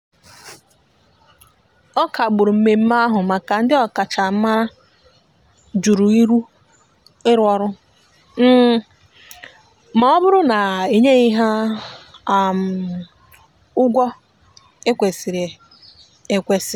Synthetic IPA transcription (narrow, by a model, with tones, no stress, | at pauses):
ɔ˦kʰa˨ɡ͡bʊ˨ɾu˨m̩˦me˨m̩˦ma˦ɦʊ˨ma˨ka˨n̩˦dɪ˦ɔ˨ka˨t͡ʃa˨m̩˦ma˦ɾa˦ | d͡ʒu˨ɾu˨i˦ɾu˦ | ɪ˦ɾɔ˨ɾʊ˦ | m̩˦˨ | ma˨ɔ˦bʊ˦ɾʊ˦na˨e˨ɲe˦i˦ɦa˦˨ | m˨ | ʊ˦ɡʷɔ˦ | e˦kʷe˨si˨ɾe˨ | e˦kʷe˦sɪ˨